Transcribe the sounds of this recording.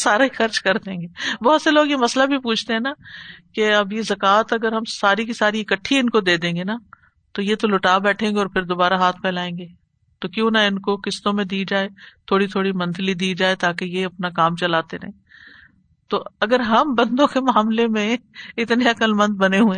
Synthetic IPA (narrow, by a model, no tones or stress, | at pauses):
saːɾaixɐɾt͡ʃkɐɾd̪ẽːŋɡeːbɔɦʊt̪seloːɡjemɐslabʱipuːt͡ʃʰt̪eɦɛ̃ːnakeɐbjezɐkaːt̪ɐɡəɾɦɐmsaːɾik̬isaːɾiɪkəʈʰːiɪnkod̪eːd̪ẽːŋɡena | t̪ojet̪olʊʈaːbɛːʈʰẽːŋɡeɔːɾpʰɪɾd̪oːbaːɾaɦaːt̪ʰpʰɛːlaːẽːŋɡeː | t̪okjõːnaɪnkokɪst̪õmẽd̪iːd͡ʒaːet̪ʰoːɽit̪ʰoːɽimɐ̃nt̪ʰlid̪iːd͡ʒaːet̪aːkejeɐpnakaːmt͡ʃɐlaːt̪eɾɐ̰ɦẽː | t̪oɐɡəɾɦɐmbɐ̃nd̪õkemaːmlemẽɪt̪neɐkəlmɐ̃nd̪̚bɐneɦũẽː